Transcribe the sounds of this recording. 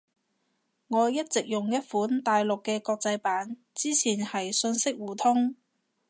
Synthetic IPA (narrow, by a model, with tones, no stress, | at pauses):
ŋɔː˨˧jɐ˥t̚t͡sɪ˨k̚jʊ˨ŋjɐ˥t̚fuː˨˥nt̪aː˨jlʊ˨kːɛː˧kɔː˧k̚t͡sɐ˧jpaː˨˥n | t͡siː˥t͡sʰiː˨˩nhɐ˨jsɵ˧nsɪ˥k̚wuː˨˩t̪ʰʊ˥ŋ